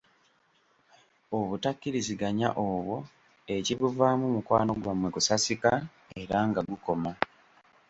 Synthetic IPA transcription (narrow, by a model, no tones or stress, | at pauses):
o̞βutakːiɾiziɡaɲa̰ʔoːβwo̞ | e̞ciβuvaːmumukwa̰ːno̞ɡwamwe̞kusasika | e̞ɾaŋɡaɡuko̞ma